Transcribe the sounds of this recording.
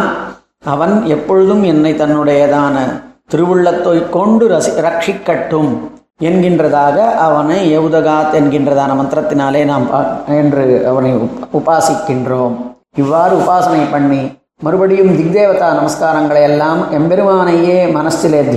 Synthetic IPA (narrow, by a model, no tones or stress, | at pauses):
ɐʋɐnɛpːɔɻɯðɯmɛnːɐɪt̪ɐnːɯɽɐjɐðaːnɐt̪ɪɾɯʋɯɭːɐt̪ːoːjkːɔɳɖɯɾɐɾɐkʂɪkːɐʈːɯm | ɛnɡɪndrɐðaːɣɐʔɐʋɐnɐɪɛʋʊðɐɣaːt̪ɛnɡɪndrɐðaːnɐmɐnt̪ɾɐt̪ːɪnaːleːnaːmpaɛndrɯɐʋɐnɐɪʊpaːsɪkːɪndroːm | ɪʋːaːɾɯʊpaːsɐnɐɪpːɐɳːi | mɐɾɯbɐɽɪjɯmd̪ɪɡ̚d̪eːʋɐt̪aːnɐmɐskaːɾɐŋɡɐɭɐjɛlːaːmɛmbɛɾɯmaːnɐjeːmɐnɐsɪleːd̪